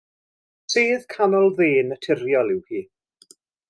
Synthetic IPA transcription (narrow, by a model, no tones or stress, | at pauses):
seːð̥kʰanɔlˠðeːnətʰɪɾjɔlˠɪwhiː